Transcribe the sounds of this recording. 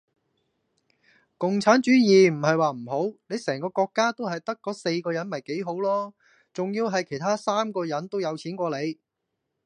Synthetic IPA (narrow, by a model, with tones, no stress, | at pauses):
kʊ˨ŋt͡sʰaː˨˥nt͡ʃyː˨˥jiː˨˩m̩˨˩hɐ˨jwaː˨˩m̩˨˩ɦo˨˥wne˨˧jsɛː˨˩ŋkɔː˧kɔː˧kːaː˥t̪o˥wɦɐ˨jt̪ɐ˥kːɔː˨˥se˧jkɔː˧jɐ˨˥nmɐ˨jke˨˥jɦo˨˥wlɔː˥ | t͡sʊ˨ŋjiː˧wɦɐ˨jkʰjt̪ʰaː˥saː˥mkɔː˧jɐ˨˥nt̪o˥wjɐ˨˧wt͡sʰiː˨˥nkʷɔː˧le˨˧j